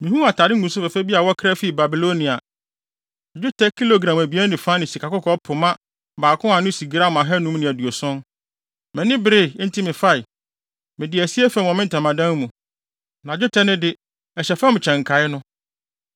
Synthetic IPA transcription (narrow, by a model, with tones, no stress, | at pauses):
mĩ˨hũ˦a˨tʰaː˨dɪ˦ŋ˦ɡũ˨n˦s̬ʊ˦fɛ˨fɛ˦bi˦a˨wɔ˦kʰɾɛ˦fi˦˨ba˨bi˨lo˦nĩ˨a˨ | d͡ʑʊ˦tʰɛ˦kʰi˦lo˨ɡɾã˨mæ˨bi˨˦ɛ˦nɪ̃˨fã˦nɪ̃˨si˨kʰa˨kʊ˦kʰɔ˨˦pʰʊ˨mã˦ | baː˨kʰʊ̃˦ã˨nʊ̃˦si˨ɡɾa˦m˨ã˨ɦɛ˦nũ˦nɪ̃˨æ˨du˨o˨sɔ̃˦n | mɛ̃˨nɪ̃˦bɪ˦ɾɪ˦˨˦n̩˦tʰɪ˦mɪ̃˨fa˦ɪ˨ | mɪ̃˨dɪ˨æ˨si˦ɛ˦fɛ˨m˨ɔ̃˨mɪ̃˦n̩˨tʰã˨mã˨dã˦n˦mũ˨ | nã˨d͡ʑʊ˦tʰɛ˦nɪ̃˦dɪ˦ | ɛ˨ɕɛ˨fɛ̃˦m˨t͡ɕʰɛ̃˨ŋ˨kʰa˨˦ɪ˦nʊ̃˦